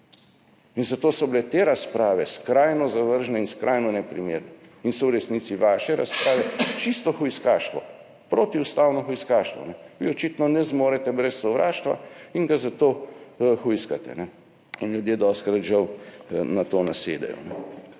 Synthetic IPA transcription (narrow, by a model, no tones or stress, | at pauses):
inzat̪oːsɔblɛt̪eːɾaspɾaːʋɛskɾaːjnɔzaʋəɾʒnɛinskɾʔajnɔnɛpɾimeːɾnɛinsɔwɾɛsniːt̪siʋaːʃɛɾa̰spɾaːʋɛt͡ʃist̪ɔxujskaːʃt̪ʋɔ̰ | pɾoːt̪iust̪awnɔxujskaːʃt̪ʋɔ̰nɛʋiɔt͡ʃit̪nɔnɛzmoːɾɛt̪ɛbɾɛsːɔʋɾa̰ːʃt̪ʋa̰iŋɡazat̪oːxujskat̪ɛ̰nɛ | inljud̪jeːd̪ɔst̪kɾat̪ʒɐwnat̪oːnasḛːd̪ɛ̰jɔ̰nɛ